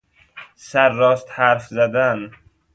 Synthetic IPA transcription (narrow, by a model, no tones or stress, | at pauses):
sæɾːɒːst̪hæɾfzæd̪æn